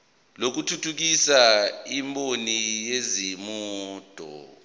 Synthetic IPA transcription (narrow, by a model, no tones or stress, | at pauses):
lok̬utʰutʰuk̬isaimbonijezimɔːd̥ʱɔ̰